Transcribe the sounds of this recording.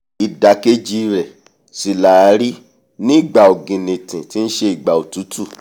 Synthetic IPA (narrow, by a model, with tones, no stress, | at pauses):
i˧da˨˦ke˦d͡ʒi˦˧ɾɛ˨ | si˨la˨a˨˦ɾi˦ | nĩ˦˨ɡ͡ba˨o˨ɡĩ˨nĩ˨tĩ˨ti˦n̩˦ʃe˧i˨ɡ͡ba˨o˨tu˨˦tʰu˦˨